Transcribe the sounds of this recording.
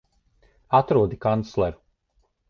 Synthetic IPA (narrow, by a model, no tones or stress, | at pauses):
at̪ɾuɔd̪ikant̪slˠɛɾu̥